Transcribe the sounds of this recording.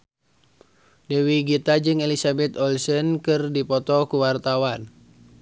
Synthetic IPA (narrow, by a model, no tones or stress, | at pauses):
dɛwiɡit̪ad͡ʒɨŋelisabɛt̪ɔlsənkɨrdipɔt̪ɔkuwart̪awan